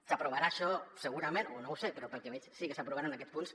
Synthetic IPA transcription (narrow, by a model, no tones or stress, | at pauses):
sapɾuβ̞aɾaːʃɔsəɣ̞uɾamẽnonowsepɾɔpəlkemessikəsapɾuβaɾanakɛtspuns